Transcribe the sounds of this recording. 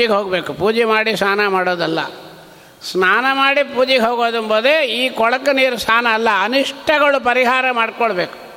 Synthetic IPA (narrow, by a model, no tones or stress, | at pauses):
iɡɦoːɡbe̞ːkupuːd͡ʒɛmaːɽisnaːnɐmaːɽoːd̪ɐlːɐ̰ | snaːnɐmaːɽipuːd͡ʒiɡeɦoːɡoːd̪ɐmboːd̪eiːkɔɭɐkːɐniːɾusnaːnɐːlːɐɐniʂʈʰɐɡɐɭupɐɾiɦaːɾɐmaːɖkoɭbeːku̥